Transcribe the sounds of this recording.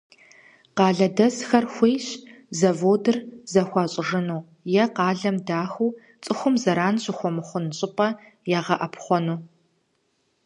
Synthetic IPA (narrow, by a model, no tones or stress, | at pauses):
qɑːɮɐdɐzxɐrxʷejɕ | zɐvoːdɨrzɐxʷɑɕʼɪʐɨnuː | jɛqɑːɮɐmdaːxuː | t͡sʼɨxʷʊmzɐɾaːnɕʼɪxʷɔmɨχʷʊnɕʼɪpʼɐjaːʁɐʔɐpχʷɔnuː